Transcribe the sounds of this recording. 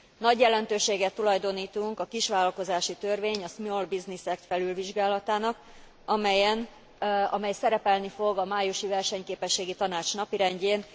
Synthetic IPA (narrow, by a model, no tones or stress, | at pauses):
nɒɟjɛlɛnt̪øːʃeːɡɛt̪ːulɒjd̪o̞niːt̪uŋkɒkiʃʋaːlɒlko̞zaːʃit̪ørveːɲɒsmolbiznisɛkt̪fɛlylviʒɡaːlɒt̪aːnɒk | ɒmɛjɛn | ɒmɛjsɛɾɛpɛlnifo̞ɡɒmaːjuʃivɛrʃɛɲkeːpɛʃːeːɡit̪ɒnaːt͡ʃnɒpiɾɛɲɟeːn